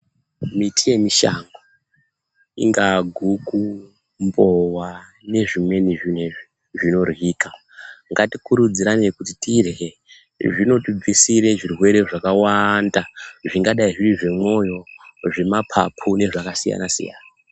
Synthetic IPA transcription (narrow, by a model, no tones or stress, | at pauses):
mitʰije̞miʃa̰ŋɡo | ḭŋɡaɡʱuku | mbo̞wa | ne̞ʐimwe̞niʐine | ʐino̞rwiːka | ŋɡatikuɾud͡ziɾanekutitire | ʐino̞tib͡visiɾe̞ʐirwe̞ɾe̞ʐakawandaʐiŋɡaɗaiʐiriʐe̞mo̞jo̞ʐe̞mapʰa̰pʰune̞ʐakasija̰nasḭja̰ːna